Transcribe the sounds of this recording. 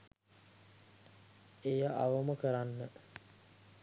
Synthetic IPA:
ejaʔaʋəməkəɾanːə

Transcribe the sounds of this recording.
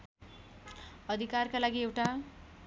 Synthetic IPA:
ʌd̪ʱikarkalaɡiewʈa

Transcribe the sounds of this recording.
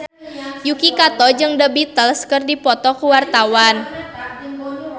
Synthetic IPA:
jukikat̪ɔd͡ʒɨŋdəbit̪əlskɨrdipɔt̪ɔkuwart̪awan

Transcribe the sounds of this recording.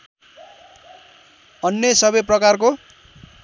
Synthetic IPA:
ʌnjʌsʌbʌjprʌkarko

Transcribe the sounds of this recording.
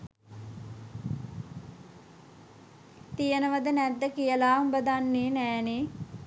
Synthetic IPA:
t̪ijənəʋəd̪ənæd̪ːəkijəlaːumbəd̪anːeːnæːneː

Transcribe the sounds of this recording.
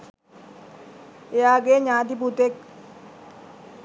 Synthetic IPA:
eaːɡeɲaːd̪̬ip̬ut̪ek̚

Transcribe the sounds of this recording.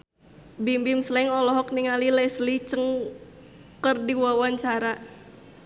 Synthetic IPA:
bimbimslɛŋɔlɔɦɔk̚niŋalilɛslit͡ʃəŋ | kərdiwawaɲt͡ʃaɾa

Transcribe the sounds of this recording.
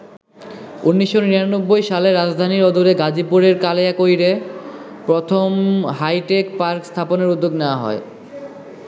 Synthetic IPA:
unːiʃːoniɾanobːojʃaleɾad͡ʑd̪ʱaniɾɔd̪ʱuɾeɡad͡ʑipuɾeɾkaleakojɾe | pɾot̪ʰomɦajʈekpaɾkst̪ʰaponeɾud̪ːoɡneoaɦɔ̰e

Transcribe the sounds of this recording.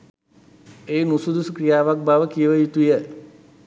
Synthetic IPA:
eːnusud̪usukɾijaːʋak̚baʋəkijəʋəjut̪ujə

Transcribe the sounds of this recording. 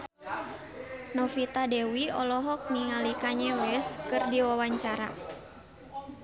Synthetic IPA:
nɔfit̪adɛwiɔ̰lɔɦɔk̚niŋalikaɲawɛskɨrdiwawaɲt͡ʃaɾa̰

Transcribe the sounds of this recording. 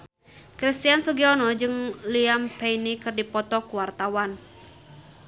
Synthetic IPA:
kɾist̪iansuɡiɔnɔd͡ʒɨŋliampeinikɨrdipɔt̪ɔkuwart̪awan

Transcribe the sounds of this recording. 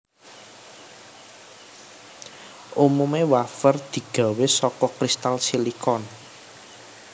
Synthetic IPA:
ʔumumewafərd̪̥i̤ɡ̥a̤wesɔkɔkɾist̪alsilikɔn

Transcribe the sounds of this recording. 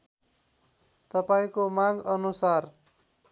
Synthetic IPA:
t̪ʌpaĩkomaɡʌnusar

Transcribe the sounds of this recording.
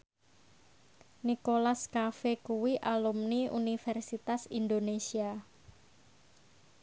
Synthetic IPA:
nikolaskafekuwiʔalumniṵnifɛrsit̪asind̪onesia

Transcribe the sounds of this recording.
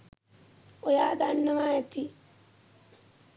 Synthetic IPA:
ojaːd̪aɳːɐmaːjɐt̪i

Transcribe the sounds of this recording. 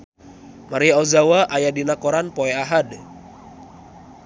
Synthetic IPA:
maɾiɔzawaʔajadinakɔɾanpɔɛaɦad

